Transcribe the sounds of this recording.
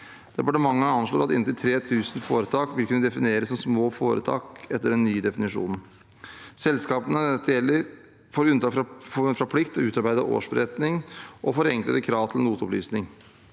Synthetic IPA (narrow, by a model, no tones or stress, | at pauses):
d̪̥ɛpɑʈəmɑŋːəɑnʂɭloːɾɑt̪ɪnt̪ɪlt̪ʰɾeːt̪ʰʉːsnfo̰ːɾət̪ʰɑːkʋɪlkʰʉnːəd̪ɛfɪneːɾəsɔmsmoːfoːɾə̰t̪ʰɑ̰ːkɛt̪ːəɾɛnnyːd̪ɛfɪnɪʂṵːnn̩ | sɛlskɑːpənəd̪eːlːəɾ | foːɾʉnt̪ɑːkɾfɾɑpʰlɪkt̪ɔʉːt̪ɑɾbæɪd̪əʔo̰ːʂbəɾɛt̪nɪŋʔɔfɔɾɛŋklə̰d̪əkʰɾɑːʋt̪ʰlnuːt̪ɔplyːsnɪŋ